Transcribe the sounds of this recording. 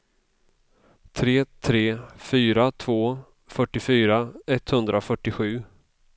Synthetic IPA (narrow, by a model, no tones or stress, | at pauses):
t̪ʰɾeːt̪ʰɾeːfyːɾat̪ʰvoː | fœʈːɪfyːɾaɛt̪hɵnd̪ɾafœʈːɪɧʉ̟ː